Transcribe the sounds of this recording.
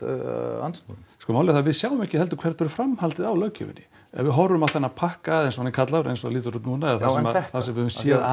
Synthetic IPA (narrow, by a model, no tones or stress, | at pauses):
a̰nsɔskɔmawlɪθavɪðsjaːwʏmɛhcːɪhɛlt̪ʏkʰvɛɾ̥t̪ʰfɛɾʏ̥fɾamhalt̪ɪðawlœːɥcʰːʏ̰vɪ̰nːɪ | ɛ̰vɪðɦɔrːʏmawθɛnːapʰahkaðejns̬ɔanɪkʰat̪lavɾejnsɔliːt̪̬ʏɾut̪nuːnaɛðaθasɛθasɛmvɪʏmsjɛː